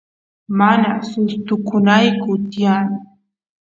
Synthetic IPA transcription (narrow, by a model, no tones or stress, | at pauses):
manasʊst̪ʊkʊnajkʊt̪jaŋ